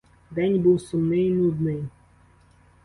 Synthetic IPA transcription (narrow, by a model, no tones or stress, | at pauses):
d̪ɛnʲbuwsʊmnɪinud̪nɪj